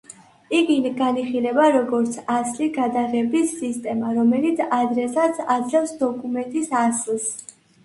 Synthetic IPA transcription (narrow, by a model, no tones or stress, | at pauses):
iɡinɡaniχilɛbaɾɔɡɔɾt̪sʰasliɡad̪aʁɛbisːist̪ʼɛmaɾɔmɛlit̪sʰad̪ɾɛsad̪sʰad̪zlɛfsd̪ɔkʼumɛnt̪ʼisaslˠs